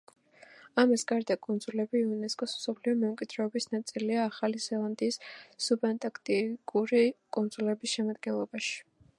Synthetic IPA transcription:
amisɡaɾd̪akʼɔnd̪zʼulɛbiunɛskʼɔsmsɔpʰliɔmɛmkʼid̪ɾɛɔbisnat̪sʼiliaːχalizɛlˠand̪iːsːubɛnt̪ʼakʰt̪ʼikʼuɾikʼɔnd̪zʼulɛbisʃɛmad̪ɡɛnlˠɔbaʃi̥

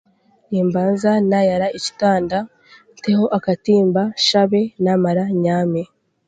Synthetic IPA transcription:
niːmbaːnzanajaɾaici̥taːnda | nte̞ho̞ʔakatiːmbaʃaβe̞namaɾaɲaːme

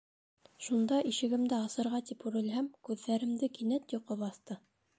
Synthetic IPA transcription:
ʃund̪ɑʔiʃɘ̆ɡɘ̆md̪ɘɑsɤ̆ɾʁɑt̪ipʉɾɘ̆lɦæmkʉðːæɾɘ̆md̪ɘkinæt̪jŏqɤβɑθt̪ɤ

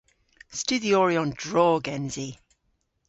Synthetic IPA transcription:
stʉðiɔɹiɔ̃ndɹɔːɡɛ̃nzi

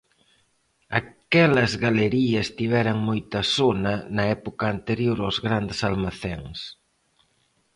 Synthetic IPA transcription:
ɐkɛlɐzɣaleɾiɐst̪iβ̞ɛɾɐŋmojt̪ɐsonɐnɐɛpokɐːnt̪eɾjoɾawzɣɾand̪esalmaθeŋs

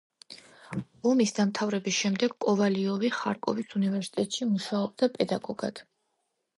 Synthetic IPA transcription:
ɔmisd̪amt̪ʰavɾɛbisʃɛmd̪ɛɡkʼɔvaliɔviχa̰ɾkʼɔ̰visunivɛɾsi̥t̪ʼɛt̪ʼʃimuʃaɔb̚d̪apʼɛd̪aɡɔɡ̥a̰d̪̥

